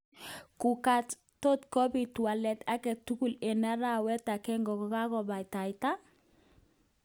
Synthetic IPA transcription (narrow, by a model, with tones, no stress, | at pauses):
ku˨ka˦t | to˦tkɔ˦bi˨twa˨lɛ˨ta˦kɛ˨tu˦ku˨le˨na˦ɾa˦˨wɛ˦ta˨kɛ˦ŋɡɔ˨kɔ˨˦ka˦kɔ˨ba˨jta˨jta˦